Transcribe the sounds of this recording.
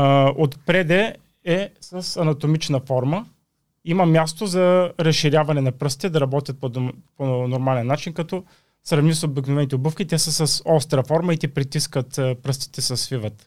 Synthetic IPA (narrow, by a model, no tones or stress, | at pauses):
ot̪pɾɛd̪ɛ | ɛsəsɐnɐt̪omit͡ʃnəfɔɾmə | imɐmʲjast̪ozɐɾɐsʃiɾʲjavɐnɛnɐpɾɤst̪i̥t̪ɛd̪ɐɾɐbɔt̪ʲjɐt̪̚poponoɾmalɛnːat͡ʃinkɐt̪ɔ | sɾɐvnisobiknovɛnit̪ɛobɤfkʲit̪ɛsəsɐsɔst̪ɾɐfɔɾməit̪ɛpɾit̪iskət̪ːpɾɤst̪i̥t̪ɛsɐsvivət̪